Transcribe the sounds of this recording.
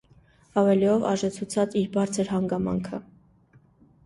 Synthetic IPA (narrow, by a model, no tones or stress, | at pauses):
ɑvɛliɔvɑʒɛt͡sʰut͡sʰɑt͡siɾbɑɾt͡sʰəɾɦɑŋɡɑmɑ̰ŋkʰə